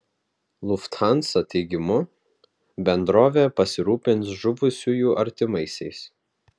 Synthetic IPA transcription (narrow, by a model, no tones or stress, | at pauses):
lˠʊft̪xɑnˑsɐt̪ʲɛɪɡʲɪmʊ | bʲɛnd̪ɾoːʋʲeːpɐsʲɪɾuːpʲɪnt̪sʒʊʋʊsʲujuːʔɐɾʲt̪ʲɪmɐɪsʲɛɪs